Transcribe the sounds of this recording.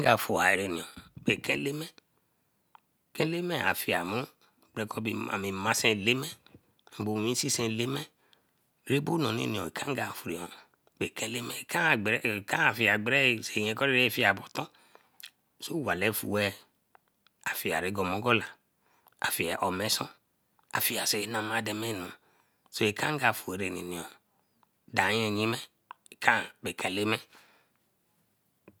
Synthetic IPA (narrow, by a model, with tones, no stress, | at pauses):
a˦ɡa˨fu˨a˨e˨ɾe˨nĩ˨ɔ̃˨be˨kɛ˦le˦mɛ˦˨ | kɛ˦le˦mɛ˦a̰˨fi˨a˨mu˦˨ | ɡ͡bɛ˨kɔ˦bi˨a̰˨mi˨mã˦sɛ̃˧˨le˦mɛ˦˨ | bo˨ĩ˦si˦sɛ̃˧˨le˦mɛ˦ | ɾe˦bo˦nɔ̃˨nḛ˦˨nĩ˨ɔ̃˨i˨kʰã˦ɡa˨fu˨ɾi˨ɔ̃˨ | be˨kɛ˦le˦mɛ˨kã˦˨ɡ͡bɛ˦˨kã˦a˨fi˨a˨ɡ͡bɾɛ˦˨se˨ɲɛ̃˨kɔ˦ɾe˦ɾfi˦a˨bɔ˨t̪ɔ̃˦ | so˦wa˨lɛ˦fṵ˨wɛ˦ | a˨fi˨a̰˨ɾe˨˦ɡɔ˨mɔ̃˦ɡɔ˦la˨ | a̰˨fi˨ɛ˨ʔɔ˨mɛ˨˦sɔ̰̃˦ | a̰˨fi˨a˨se˨˦nã˨ma˨dɛ˨mɛ˦˨nɔ̃˨ | so˦e˨kʰã˦ŋ˦ɡa˨fu˨e˨ɾe˨nḭ˨nĩ˨ɔ˨ | da˨˦ɲɛ˨ɲĩ˦mɛ˦ | e˨kʰã˦be˨kʰɛ˨le˦mɛ˦